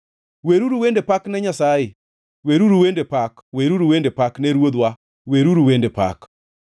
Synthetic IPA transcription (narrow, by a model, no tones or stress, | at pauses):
weɾuɾuwendepaknɛɲasajɪ | weɾuɾuwendepakweɾuɾuwendepaknɛɾwod̪wa | weɾuɾuwendepa̰k